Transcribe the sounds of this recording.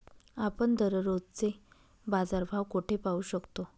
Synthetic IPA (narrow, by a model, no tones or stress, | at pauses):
apəɳd̪əɾəɾod͡zt͡se | bad͡zaɾbʱaʋkoʈʰepauːɕəkt̪o